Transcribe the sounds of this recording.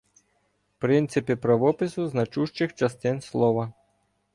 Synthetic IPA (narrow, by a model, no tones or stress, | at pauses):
pɾɪnt̪sɪpɪpɾɐʋɔpɪsʊznɐt͡ʃuʃt͡ʃɪxt͡ʃɐst̪ɪnslˠɔʋɐ